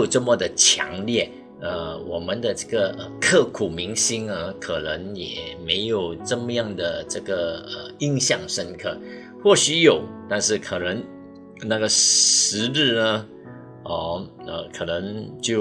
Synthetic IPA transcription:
o˨˩ʊʈ͡ʂə˥˧mə˨˩d̪ə˨t͡ɕʰjɑ̰˧˥ŋljɛ˥˩ | ə˧wɔ˨˩mə˧˦nd̪ə˧ʈ͡ʂə˥˩ɡə˨ə˧kʰɤ˥˩kʰu˨˩mi˧˥ŋɕi˥ŋə˧kʰɤ˨˩nə˧˥ŋjɛ̰˨˩me˧˥ɪjo˨˩ʊʈ͡ʂə˥˧mə˧jɑ˥˩ŋd̪ə˩ʈ͡ʂɤ˥˩ɡə˩ə˧˩i˥ŋɕjɑ˥˩ŋʂə˥nkʰɤ˥˩ | xwɔ˥˩ɕy˧˥jo˨˩˦ʊt̪a˥˧nʂɻ̩˥˩kʰɤ˨˩nə˧˥ŋ | na˥˩ɡə˩ʂɻ̩˧˥ɻ̩˥˩nə˧ | ə˧˩ | ə˧˩kʰɤ˨˩nə˧˦˥ŋt͡ɕjo˥˩ʊ

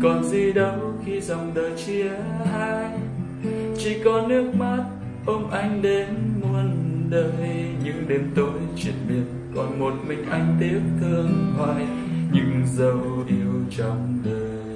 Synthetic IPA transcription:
kɔ˨˩nzi˨˩ɗə˨˦wxi˧zɔ˨˩wŋ͡mɗəː˨˩jt͡ɕi˧əhaː˧j | t͡ɕi˧˦kɔ˨˧˦nɨ˦˥ək̚ma˦˥t̚ | ʔə˧wŋ͡mʔa˧jŋ̟ɗe˨˦nmu˨˩ənɗəː˨˩jjɲɨ̰˧˥ŋɗe˨˦mt̪o˨˦jt͡ɕwḭ˧˩ənɓi˧˩ət̚kɔ˨˩nmo˨˩t̚mï˨˩ŋ̟ʔa˧jŋ̟t̪i˦˥əp̚t̪ʰɨ˧əŋhwaː˧˩˨j | ɲɨ̰˧ŋzə˨˩wʔi˧˩əwt͡ɕɔ˧wŋ͡mɗəː˨˩jj

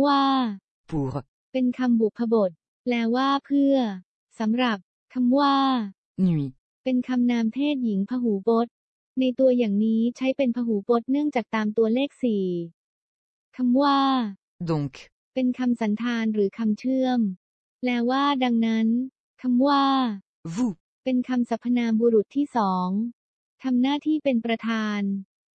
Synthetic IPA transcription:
waː˥˩ | puː˨˦ | pe˧nkʰa˧mbu˨˩k̚pʰːa˧bo˨˩t̪̚ | lɛː˦˥waː˥˩pʰɯ˥˩ɐ | sa˩˦mɾa˨˩p̚ | kʰa˧mwaː˥˩ | nu˨˩ | pe˧nkʰa˧mnaː˧mt̪ʰeː˥˩t̪̚ji˩˦ŋpʰa˧ɦuː˩˦po˦˥t̪̚ | na˧jt̪u˧ɐjaː˨˩ŋniː˦˥t͡ɕʰa˦˥jpe˧npʰa˧ɦuː˩˦po˦˥t̪̚nɯ˥˩əŋt͡ɕaː˨˩k̚t̪aː˧mt̪u˧ɐleː˥˩k̚siː˨˩ | kʰa˧mwaː˥˩ | d̪o˧ŋk | pe˧nkʰa˧msa˩˦nt̪ʰaː˧nɾɯː˩˦kʰa˧mt͡ɕʰɯ˥˩əm | lɛː˦˥waː˥˩da˧ŋna˦˥n | kʰa˧mwaː˥˩ | vu˥˩ | pe˧nkʰa˧msa˨˦˥pʰːa˧naː˧mbuː˧ɾu˨˩t̪ʰːiː˥˩sɔː˩˦ŋ | t̪ʰa˧mnaː˥˩t̪ʰiː˥˩pe˧npɾa˧t̪ʰaː˧n

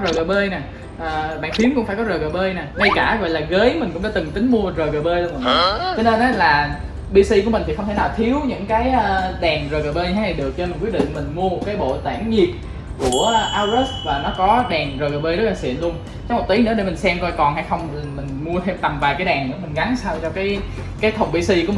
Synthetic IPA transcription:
zəː˨˩jɣəː˨˩ɓəː˧jna˨˩ | ʔəː˨˩ɓa̰ː˧˨ŋt̪ʰi˨˦əmkʊ̰˧˥ŋ͡mfaː˧˩jkɔ˨˦zəː˨˩ɣəː˨˩ɓəː˧jnaː˨˩ŋa˧jkaː˧˩ɣɔ̰˧˨jlaː˨˩ɣəː˨˦jmï˨˩ŋ̟kʊ̰˧˥ŋ͡mɗaː˧˦t̪ɨ˨˩ŋt̪ï˨˦ŋ̟mu˧ə˨˩zəː˨˩ɣəː˨˩ɓəː˧jlm̰ː˨˩˨t͡ɕɔ˧ne˧nʔəː˨˦laː˨˩ | ɓi˧si˧ku˧˩əï̟˨˩t̪ʰi˨˩xwŋ͡mt̪ʰe˧˩naː˨˩wt̪ʰi˨˦əwɲɨ̰˧˥ŋkaː˨˦jʔːɗɛ˨˩ŋzəː˨˩ɣəː˨˩ɓəː˧jɲ˧hʰa˧˨˦n˨˩ɗɨ˨˩ək̚t͡ɕɔ˧mi˨˩ŋwi˦˥t̚ɗḭ˧˨ŋ̟mï˨˩ŋ̟mu˧əm˨˩kaː˨˦jɓo̰˧˨t̪aː˧˩ŋɲi˨˩ət̚ | ku˧˩əʔaː˧wzə˦˥s̚vaː˨˩nɔ˨˦kɔ˨˦ɗɛ˨˩ŋzəː˨˩ɣəː˨˩ɓə˧zə˦˥t̚laː˨˩swḭ˧˨ənlu˧ən | t͡ɕɔ˨˦˥kmo˨˩t̪i˨˦jnɨ̰˧˥ɗe˧˩m̟˨˩sɛ˧mkɔ˧jkɔ˨˩nha˧jxə˧wŋ͡mmï˨˩ŋ̟mu˧ət̪ʰe˧mt̪a˨˩mvaː˨˩jkaː˨˦jɗɛː˨˩ŋnɨ̰˧˥mï˨˩ŋ̟ɣa˨˦nsaː˧wt͡ɕɔ˧kaː˨˦j | kaː˨˦jt̪ʰə˨˩wŋ͡mɓi˧si˧ku˨˩ə

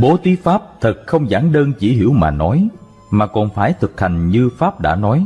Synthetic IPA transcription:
ɓo˨˦t̪wi˨˦faː˦˥p̚t̪ʰə˨˩t̚xə˧wŋ͡mza̰ː˧˥nɗəː˧nt͡ɕi˧˩ɦḭ˧˩˥əwmaː˨˩nɔ˨˦j | maː˨˩kɔ˨˩nfaː˧˩jt̪ʰɨ˨˩k̚ha˨˩jŋ̟ɲɨ˧faː˦˥p̚ɗa̰ː˧˥nɔ˨˦j

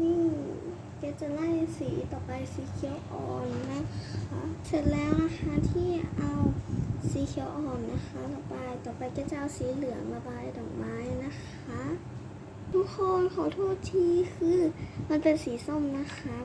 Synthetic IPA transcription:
niː˧˥˩ | ka˧˩t͡ɕa˧˩la˧˨jsiː˨˦t̪ɔː˨˩pa˧jsiː˨˦kʰi˧˦ə˦wʔɔ̰ː˨˩nːa˧˥kʰa˧˥se˧˩n̚lɛː˦˧˥wla˧xʰaː˧˥˨t̪ʰiː˧˩˨ʔa˧wsiː˨˦kʰi˧˦ə˦wʔɔː˨˩nːa˧xʰa˧˥la˧˩baː˧jt̪ɔː˨˩pa˧jka˧˩t͡ɕa˧ʔa˧wsiː˨˦lɯ˨˩˦əŋla˧baː˧˨jt̪ɔː˨˩ŋmaː˧˥˨jna˧˥˨kʰ | a˧˥ʔ | t̪ʰuː˧˥kʰɔː˧nkʰa˨˩wt̪ʰoː˥˩t̪ʰiː˧˥kʰɯː˧ma˧˨npe˧nsiː˨˦so˧˩˨mna˧˥˨xʰa˧˥

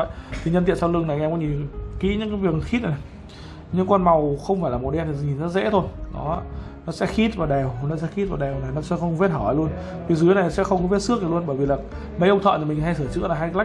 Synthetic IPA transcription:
jt̪ʰi˨˩ɲə˧nt̪i˧˨nsa˧lɨ˧əŋna˨˩jʔɛ˧kɔ˨˦ɲi˨˩kḭ˧˥ɲɨ̰˧˥ŋkaː˨˦vi˨˩əxi˦˥t̚na˨˩j | ɲɨ̰˧˥ŋkwa˧nma˨˩wxə˧wŋ͡mfaː˧˩jlaː˨˩mo˨˩ɗɛ˧nt̪ʰi˨˩˨ɲi˨˩nzɔ˧˥zɛ̰˧˥t̪ʰo˧jnɔ˨˦˧ | nɔ˨˦sɛ̰˧˥xi˦˥t̚vaː˨˩wɗɛ˨˩wnɔ˨˦sɛ̰˧˥xi˦˥t̚vaː˨˩wɗɛ˨˩wna˨˩nɔ˨˦sɛ̰˧˥xə˧wŋ͡mvi˦˥ət̚hɔː˧˩ha˨˩lu˧ən | vi˨˩zɨ˨˦na˨˩˨sɛ̰˧˥xə˧wŋ͡mkɔ˨˦vi˦˥t̚sɨ˦˥ək̚na˨˩lu˧ənɓəː˧˩jvi˨˩laː˨˩ | mə˧˩jʔə˧ŋ͡mt̪ʰə̰ː˧˨t̪i˨˩mï˨˩ŋ̟ɦa˧jsəː˧˩t͡ɕɨ̰˧˥əlaː˨˩ɦa˧jla˦˥

